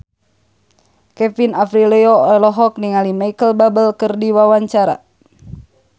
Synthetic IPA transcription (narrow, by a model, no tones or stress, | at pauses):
kɛfinafɾilɛɔɔlɔɦɔk̚niŋalimajkəlbabəlkɨrdiwawaɲt͡ʃaɾa̰